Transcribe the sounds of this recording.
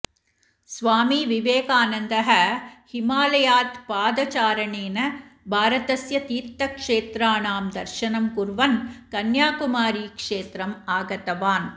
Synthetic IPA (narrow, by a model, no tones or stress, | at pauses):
sʋaːmiʋiʋeːkaːnɐnd̪ɐɦɐhimaːlɐjaːt̪paːd̪ɐt͡ʃaːɾɐɳeːnɐbʱaːɾɐt̪ɐsjɐt̪iːɾt̪ːɐkʂeːt̪ɾaːnaːmd̪ɐɾʃɐnɐmkuɾʋɐnkɐnjaːkumaːɾiːkʂeːt̪ɾɐmaːɡɐt̪ɐʋaːn